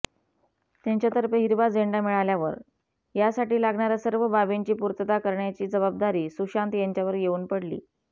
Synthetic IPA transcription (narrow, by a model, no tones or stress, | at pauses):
t̪jaɲt͡ɕjat̪əɾpeɦiɾʋad͡zeɳɖamiɭaljaʋə̰ɾ | jasaʈiːlaɡɳaɾjasəɾʋəbaʋeɲt͡ɕiːpuɾt̪ət̪akəɾɳjat͡ɕiːd͡zəbab̚d̪aɾiːsuɕant̪jaɲt͡ɕjaʋəɾjeuːnpəɽlḭː